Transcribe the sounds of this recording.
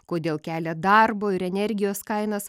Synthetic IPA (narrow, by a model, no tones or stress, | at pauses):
koːd̪ʲeːlˠkʲæːlʲɛd̪ɐrboːɪɾɛnʲɛɾʲɡʲɪjoːskɐɪnɐs